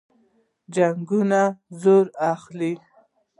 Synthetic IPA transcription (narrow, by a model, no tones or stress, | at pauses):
d͡ʒaŋɡunazoɾaxli